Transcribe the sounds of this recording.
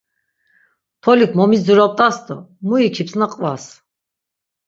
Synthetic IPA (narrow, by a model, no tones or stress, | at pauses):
p̪ʰɔlikʰmɔmid͡zuɾɔp̚t̪ʼasd̪ɔmuikʰipsnaqʼvas